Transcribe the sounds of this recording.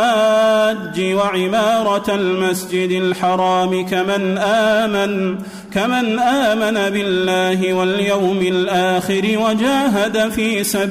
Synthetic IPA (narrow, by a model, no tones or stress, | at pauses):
aːd͡ʒːɪwaʕɪmɑːɾˤɑlmasd͡ʒɪd̪alħɑɾˤɑːmɪanʔ | kamanʔaːmanabɪlːaːɦɪwaljawmɪlʔaːxɪɾɪwad͡ʒaːɦad̪afiːsab